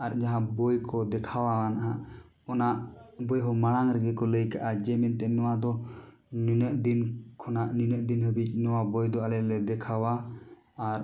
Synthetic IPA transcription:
aɾd͡ʒaɦãbɔjkɔd̪ɛkʰawaanaɦa̰ | ɔnaʔbɔjɦɔmaɽ̃aŋɾɛɡɛkɔləjkaʔad͡ʒɛmɛnt̪ɛnɔwad̪ɔ | ninəʔd̪inkʰɔnaʔninəʔd̪inɦəbit͡ʃ̚nɔwabɔjd̪ɔalɛɾlɛd̪ɛkʰawaː | ɾ

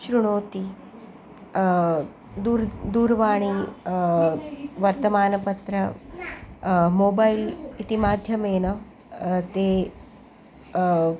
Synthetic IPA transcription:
ɕɾuɽ̃oːt̪i | d̪uɾd̪uːɾʋaːɳ̃i | ʋɐɾt̪ɐmaːnɐpɐt̪ɾɐ | moːbailit̪imaːd̪ʱjɐmeːnɐ | t̪e

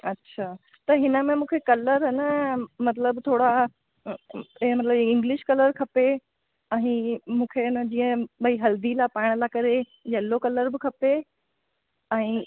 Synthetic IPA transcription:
ɐtːɕʰaː | t̪ɐɦɪnə̆mẽmũːkʰekɐləɾɦɐnəmɐt̪ləbt̪ʰoːɽa | mɐt̪ləbɪ̃ŋɡlɪʃkɐləɾkʰɐpe | ɛ̃imũːkʰenəd͡ʑĩːə̃ɓɐiɦɐld̪ilapaːɽ̃lakɐɾe | jɐlokɐləɾbɪkʰɐpe | ɛ̃ː

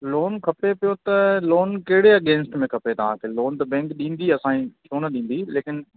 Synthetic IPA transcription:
loːnkʰɐpepijot̪ɐloːnkɐɦɪɽeɐɠẽːnɪsʈmẽkʰɐpet̪ɐʋ̤ãːkʰeloːnt̪ɐbɛ̃ːŋkɗĩːn̆d̪iɐsãːĩt͡ʃʰjoːnɐɗĩːn̆d̪ileːkɪn

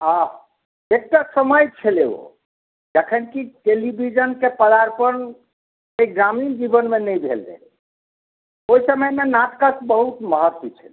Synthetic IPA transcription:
ɦã | ek̚ʈasəməjt͡ʃʰɛleo̰ | d͡ʒəkʰənkiʈelibʱid͡ʒənkepəlaɾpəɾn | ejɡɾamind͡ʒibənmenəjbʱḛldḛl | ojsəməjmenat̪kəsbəɦut̪məɦəɾt̪it͡ʃʰɛ̰l

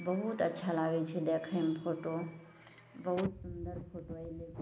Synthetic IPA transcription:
bɐɦut̪ɐtːʃʰalaːɡet͡ʃʰed̪ekʰempʰoːʈo | bɐɦut̪sʊnd̪əɾpʰoːʈoile

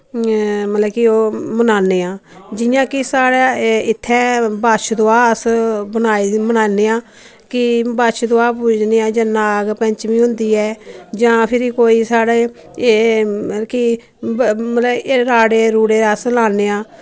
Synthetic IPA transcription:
mət̪ləkɪoːmənaːneːãːd͡ʒɪjãːkɪsaːɽaɪt̪ʰːɛ̃ːbaːʃd̪oaːsbənaːmənaːneːãː | kɪbaːʃd̪oaːpuːd͡ʒneːãːd͡ʒãːnaːɡpɛ̃ɲt͡ʃʋĩːɦʊ̃nd̪iːɛːd͡ʒãːpʰɪɾiːkoːiːsaːɽeː | kɪ | mət̪ləbeɾaːɽeːɾuːɽeːaːslaːneːãː

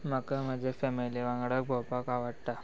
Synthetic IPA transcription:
məkəməd͡ʑʱefɛmiliʋãŋɡɽək̚bʱowpakaʋəɽt̪a

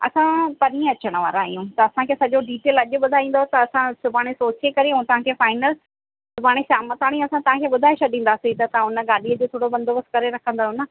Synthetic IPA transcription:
ɐ̰sãpɐnĩəɐt͡ɕəɽ̃əʋa̰ːɾaːɦijũt̪ɐɐsãkʰeːsɐʄoɖiːʈeːlɐʄʊ̆ɓʊd̪ʱaːĩːn̆d̪ot̪ɐɐsãsʊbʱaːɽ̃esoːt͡ɕekɐɾiũt̪ɐʋ̤ãkʰeːfaːɪnəl | sʊbʱaːɽ̃esaːmət̪aːɽ̃ĩɐsãt̪ɐʋ̤ãkʰeːɓʊd̪ʱaːeʃɐɗĩːn̆d̪aːsiit̪ɐt̪ɐãʊnəɠaːɗiəd͡ʑoːt̪ʰoːɽobɐ̃nd̪ʱoːbəskɐɾeɾɐkʰə̃nd̪aːɦʊnə

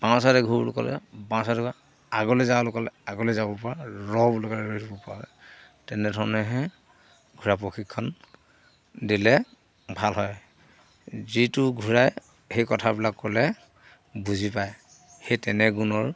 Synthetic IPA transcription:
bãsatɛɡʱubṵlṵkɔ̰lɛ̰bãɔ̃sadɛɡ | aɡɔlɛzalɔkɔlɛaɡɔlɛzabɔpɔɹaɹɔbɔlɔkaɹɹoitʰubɔpa̰lɛ | tɛnɛdʱɔɹɔnɛɦɛ̃ | ɡʱuɹapɹoxʰikʰːɔn | dilɛ | bʱalɦɔj | zitʊɡʱuɹaj | xejkɔtʰabilakːolɛ | buzipaj | xejtɛnɛɡunɔɹ

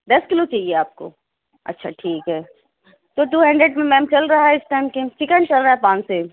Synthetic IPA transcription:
d̪ɐskɪlot͡ʃaːɦieaːp̚ko̰ | ɐ̰tːʃʰa̰ʈʰiːkɦɛː | t̪oːʈuːɦɐ̃ɳɖɾeɖmẽmɛ̃ːmt͡ʃɐlɾaɦaɦɛɪsʈaːɪmket͡ʃɪkənt͡ʃɐlɾaɦaɦɛpãːnt͡ʃse

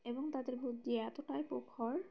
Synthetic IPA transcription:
eboŋt̪ad̪eɾbʱut̪̚d̪ieɛt̪oʈaepokʰoɾ

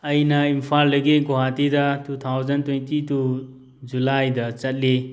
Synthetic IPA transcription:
ɐjnɐimpʰaldɐɡiɡoɦatidɐtut̪ʰawzɐntwentitu | d͡ʒulajdɐt͡ʃɐt̚li

